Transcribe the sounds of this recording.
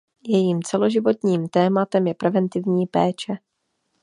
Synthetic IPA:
jɛjiːmt͡sɛlo̞ʒɪvo̞t̪ɲiːmt̪ɛːmat̪ɛmjɛpɾɛvɛnt̪ɪvɲiːpɛːt͡ʃɛ

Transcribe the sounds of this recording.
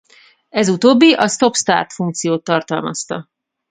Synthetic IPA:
ɛzut̪oːbːiʔɒst̪o̞pst̪a̰ːrt̪fuŋk̚t̪sijoːt̪ːɒrt̪ɒlmɒ̰st̪ɒ̰

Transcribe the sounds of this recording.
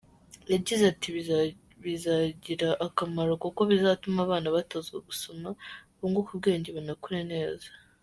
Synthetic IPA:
jaɟizatiβ | βizaɟiɾaʔːkamaɾokoko̞βizatumaβaːnaβatazɡoɡuso̞maβuːŋɡokubɡe̞ːɲɟeβanakuɾene̞ːzḁ

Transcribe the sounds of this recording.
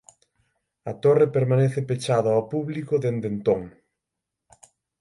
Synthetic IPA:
ɐt̪orepeɾmaneθepet͡ʃaðaapuβlikoðend̪ent̪oŋ

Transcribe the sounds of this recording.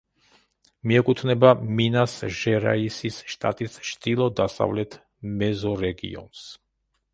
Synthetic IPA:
miɛkʼut̪ʰnɛbaminasʒɛɾa̰isisʃt̪ʼa̰t̪ʼist͡ʃd̪ilˠɔd̪asa̰vlɛt̪ʰ | mɛzɔɾɛɡḭɔ̰ns

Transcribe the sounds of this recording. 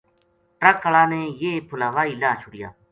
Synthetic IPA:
ʈɾəkəɭaːnẽːjeːpʰʊlaːʋaːiːlaːt͡ʃʰʊɽɪja̰ː

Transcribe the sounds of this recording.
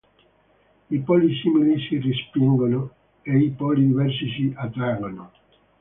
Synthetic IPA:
ipɔlisimilisirispiŋɡono | eipɔlid̪ivɛrs̬is̬iʔat̪ɾaɡono

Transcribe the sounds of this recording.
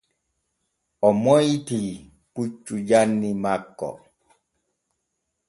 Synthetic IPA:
ɔmɔjti | put͡ʃːud͡ʒanːimakːɔ̰

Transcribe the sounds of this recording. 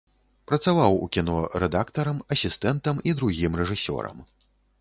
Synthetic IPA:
pɾɐt̪savawṵkʲinɔɾɛd̪akt̪ɐɾɐmɐsʲist̪ɛnt̪ɐmid̪ɾuɣʲimrɛʐɨsʲɔ̰ɾɐ̰m

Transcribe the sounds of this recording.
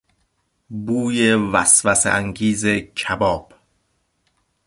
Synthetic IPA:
buːjevæsvæsḛʔæŋɡiːzecʰæbɒːb̥

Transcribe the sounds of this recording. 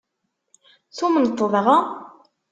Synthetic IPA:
θumənət̪ˤːəðˤʁɑ

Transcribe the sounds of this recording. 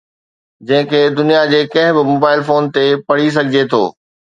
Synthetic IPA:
d͡ʑɐ̃ɦɪ̃kʰeːd̪ʊnijad͡ʑeːkɐ̃ɦɪ̃bɪmoːbaːɪlfoːnt̪epɐɽ̤is̬ɐɡʱɪd͡ʑet̪ʰo̰ː

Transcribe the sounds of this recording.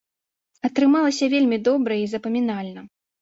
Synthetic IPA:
ɐt̪ɾɨmalˠɐsʲɐvʲelʲmʲid̪ɔbɾɐizɐpɐmʲinalʲnɐ

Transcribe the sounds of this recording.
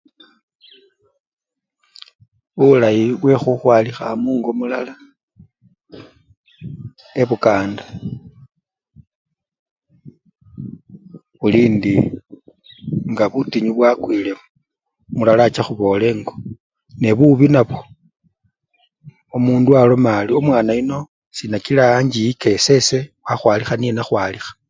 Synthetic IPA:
βulajiβwe̞xuxwaːlixamuːŋɡo̞mula̰la | e̞βukaːndḁ | βuliːndi | ŋɡaβutiɲuβwakwile | mulalat͡ʃaxuβo̞ːle̞ŋɡo̞ | ne̞βuβinaβo̞ | omuːndualo̞maːliomwaːnaino̞ | sinakilaːɲd͡ʒijike̞se̞se̞waxwaːlixanije̞naxwalixḁ

